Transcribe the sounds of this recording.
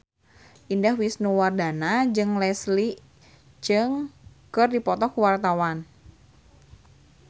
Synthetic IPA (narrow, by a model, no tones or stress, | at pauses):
ʔindahwisnuwardanad͡ʒɨŋlɛsli | d͡ʒɨŋkɨrdipɔt̪ɔkuwart̪awan